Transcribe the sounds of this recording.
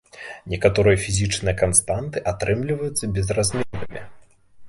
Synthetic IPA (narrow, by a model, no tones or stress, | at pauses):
nʲɛkat̪ɔɾɨjɐfʲizʲit͡ʂnɨjɐkanst̪ant̪ɨʔat̪ɾɛmlʲivɐjut̪sːɐbʲɛzrazʲmʲɛvɐmʲḭ